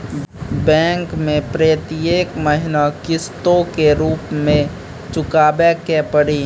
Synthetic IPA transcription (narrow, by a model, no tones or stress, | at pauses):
bɛ̃ːŋkmẽpɾeət̪ieːkməɦɪnakɪst̪õkeɾuːpmẽ | t͡ʃʊkaːbekɛpəɽi